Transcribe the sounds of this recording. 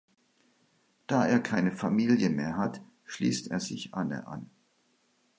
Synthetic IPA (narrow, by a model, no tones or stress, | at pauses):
d̥aːʔeːɐkʰaɪnəfamiːljəmeːɐɦat | ʃlḭːsteːɐzɪçʔanə̰ʔa̰n